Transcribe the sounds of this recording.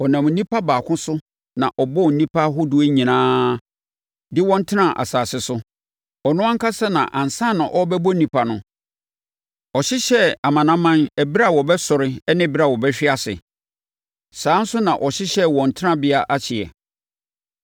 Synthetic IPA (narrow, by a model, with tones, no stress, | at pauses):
ɔ˨nã˨m̩˨nĩ˦pʰa˦baː˨kʰʊ̃˦sʊ˦ | nã˨ʔɔ˨bɔ˦˨n̩˨nĩ˦pʰa˦ɦʊ˦dʊ˦e˦ɲĩ˨nãː˦ | dɪ˦wɔ̃˦n̩˦tʰɪ˦nã˦˨ʔa̰˨saː˨sɪ˦sʊ˦ | ɔ˨nʊ̃˦ã˦ŋ˦kʰa˦sa˦nã̰˨ʔã˨n˨sã˦˨nʊ̃˨ʔɔ˦bɛ˦bɔ˦nĩ˦pʰa˨nʊ̃˨˦ | ɔ˨ɕɪ˦ɕɛ˦a˨mã˨nã˦mã˦næ˨bi˦ɾa˦˨wɔ˨bɛ˦sʊ˨ɾɪ˦ɛ˦nɪ̃˦˨bi˦ɾa˦˨wɔ˨bɛ˦ɕᶣɪ˦a˦sɪ̰˨ | sãː˨˦n̩˦sʊ˦nã˨ʔɔ˨ɕɪ˦ɕɛ˦wɔ̃˨n̩˨tʰɪ˦nã˦bɪ˦a˦ʔa˦t͡ɕʰɪ˨ɛ̰˨